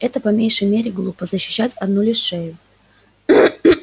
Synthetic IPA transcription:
ɛt̪əpɐmʲejʂəjmʲeɾʲɪɡlˠupəzəɕːɪ̥ɕːætʲɐd̪nulʲɪʂːejʊ

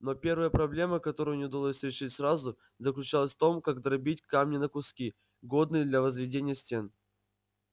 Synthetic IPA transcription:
no̞pʲe̞rvəjəpɾɐblʲe̞məkɐt̪o̞ɾʊjʊnʲɪʊd̪ɐlˠo̞sʲɾʲɪʂɨtʲsɾazʊ | zəklʲʉt͡ɕalˠəsʲft̪o̞mkaɡd̪ɾɐbʲitʲkamnʲɪnəkʊskʲi | ɡo̞d̪nɨjəd̪lʲɐvəzvʲɪdʲenʲɪjəsʲtʲen

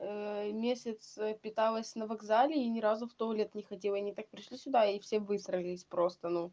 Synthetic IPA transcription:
əmʲesʲɪt̪spʲɪt̪alˠəsʲnəvɐɡzalʲɪːnʲɪɾazʊft̪olʲet̪nʲɪxɐtʲelˠəɐnʲɪt̪ak̚pɾʲɪʂlʲisʲʊd̪aifsʲevɨst̪ɾʲɪlʲɪsʲpɾo̞st̪ənu

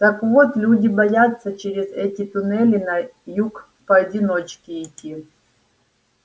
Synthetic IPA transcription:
t̪ɐkvot̪lʲudʲibɐjat̪sːɐt͡ʃɛɾʲɪzɛtʲit̪unɛlʲinajuk | pɐːdʲinot͡ʃkʲiitʲi

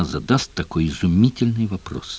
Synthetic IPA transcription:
zɐd̪ast̚ʲt̪ːɐkojɪzʊmʲitʲɪlʲnɨjvɐpro̰s

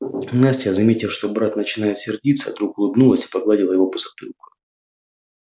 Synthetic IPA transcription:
nasʲtʲɪjəzɐmʲetʲɪlˠʂt̪o̞bɾat̪nət͡ɕɪnajɪt̪sʲɪrdʲit̪sːə̰d̪ɾukʊlˠɨbnulˠəsʲi̥pɐɡlˠadʲɪlˠəjɪvo̞pəzɐt̪ɨ̰lˠkʊ̥

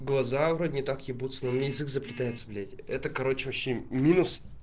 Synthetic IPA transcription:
ɡlˠɐzavɾod̪ʲnʲɪt̪akjɪbut̪sɨnəjɪzɨkzəpɾʲɪt̪ajɪt̪səblʲetʲɛt̪əkɐɾo̞t͡ɕɪɕɪmʲinʊs

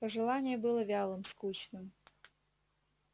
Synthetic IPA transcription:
pəʐɨlˠanʲɪjəbɨlˠəvʲalˠɨmskut͡ɕnɨm

